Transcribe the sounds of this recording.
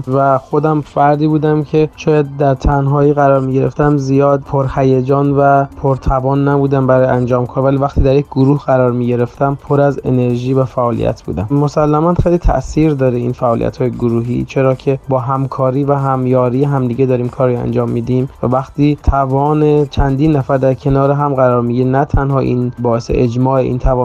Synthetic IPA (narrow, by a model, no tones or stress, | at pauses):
væxo̞d̪æmfæɾd̪iːbuːd̪æmcʰe̞ʃʰɒːjæd̪̚d̪æɾt̪ʰænɦɒːiːɣæɾɒːɾmiːɟe̞ɾeft̪æmzijɒːd̪̚pʰoɾhæjed͡ʒɒːnvæpʰoɾt̪ʰævɒːnːæbuːd̪æmbæɾɒːjʔænd͡ʒɒːmkʰɒːɾvæliːvæxχt̪ʰiːd̪æɾjecʰɡoɾuːhɢæɾɒːɾmiːɟe̞ɾe̞ft̪æmpʰoɾæze̞̰ne̞ɾʒiːvæfæʔɒːlḭjʔæ̰t̪ʰb̥ṵːd̪æ̰mmo̞sælːæmænxejliːt̪ʰæ̰ʔsiːɾd̪ɒːɾeḭːnfæʔɒːlḭʔæ̰t̪hɒːjeɡoɾuːɦḭt͡ʃʰe̞ɾɒːcʰe̞bɒːɦæmkʰɒːɾiːvæɦæmjɒːɾiːjeɦæmd̪iɟed̪ɒːɾiːmkʰɒːɾiæ̰nd͡ʒɒːmːid̪imvæ̰væxt̪ʰiːt̪ʰævɒːnet͡ʃʰænd̪iːnːæfæɾd̪æɾcʰe̞nɒːɾeɦæmɣæɾɒːɾmiɟiːɾenæt̪ʰænhɒːʔḭːnbɒːesḛʔed͡ʒmɒːeʔḭːnt̪ʰævɒː